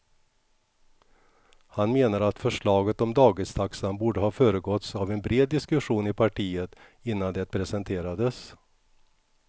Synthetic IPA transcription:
hanmeːnaɾat̪fœʂɭɑːɡət̪ɔmd̪ɑːɡɪst̪ʰaksanbuːɖəhɑːfœːɾəɡɔt̪savɛnbɾeːd̪̚ːɪskɵɧuːnɪpʰaʈiːət̪ | ɪnːand̪ɛt̪̚pʰɾɛsɛnt̪ʰeːɾad̪əs

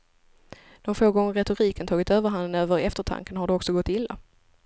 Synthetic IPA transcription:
d̪̥ɔmfoːɡɔŋːəɾɛt̪ʊɾiːkənt̪ʰɑːɡɪt̪øːvəɾɦand̪ənøːvəɾɛft̪əʈʰa̰ŋkənɦaɖɛɔksɔɡɔt̪ːɪlːa̰

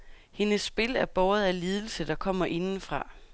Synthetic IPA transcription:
he̝nəsːb̥e̝læɐb̥ɒːð̞̩ˠæliːð̞ˠl̩səd̥ɑ̈kʰɒ̽m̰ɐʔe̝nn̩fʁɑ̈

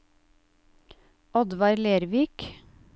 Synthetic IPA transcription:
ʔɔd̪ʋɑɾleːɾʋiːk

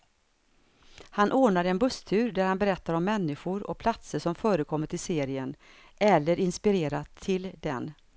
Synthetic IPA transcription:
hanʔoːɳad̪əɛnbɵst̪ʰʉ̟ːɾd̪æɾhanbɛɾɛt̪ːaɾɔmːɛnːɪɧʊɾɔ̰k̚pʰlat̪səʂɔmfœːɾəkʰɔmːəʈʰɪlseːɾɪən | ʔɛlːəɾɪnspɪɾeːɾat̪ʰːɪld̪ɛ̰n

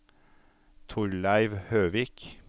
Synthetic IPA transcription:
t̪ʰʊɹlæɪʋhøːʋiːk

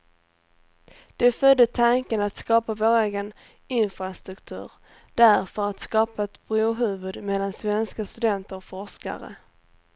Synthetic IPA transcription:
d̪̥ɛfœd̪ːət̪ʰaŋkənat̪skɑːpavoːɾeːɡən | ɪnfɾast̪ɾɵkt̪ʰʉ̟̰ːɾ | d̪̥æɾfœɾat̪skɑːpaɛt̪bɾoːɦʉ̟ːvɵd̪mɛlːansvɛnskast̪ɵd̪ɛnt̪əɾɔfɔʂka̰ɾə̰

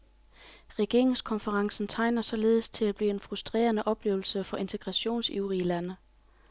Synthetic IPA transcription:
ʁɛɡ̥e̝ɐ̰ʁeŋskʰɒ̽nfəʁɑ̈ŋsn̩t͡sʰɑ̈ɪnɐsɒ̽le̝ːð̞̩ˠst͡sʰe̝læb̥lḭːe̝nfʁusd̥ʁɛ̰ːɐnəʔɒ̽b̥le̝ːʊl̩səfɒ̽ʔe̝nt͡sʰe̝ɡ̥ʁɑ̈ɕo̝̰ːnsiʊʁiəlænə

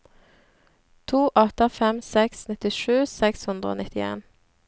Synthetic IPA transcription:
t̪ʰuːʔɔt̪əfɛmsɛksnɪt̪ɪʃʉːsɛkshʉnd̪ʁəo̰ːnɪt̪ɪḛːn

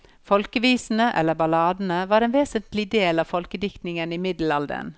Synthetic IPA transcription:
fɔlkəʋiːsn̩əʔɛ̰lːəbɑlɑːd̪n̩əʋɑːɾeːnʋeːsənt̪lɪd̪eːlɑːʋfɔlkəd̪ɪkt̪nɪŋəniːmɪd̪l̩ɑld̪ə̰n

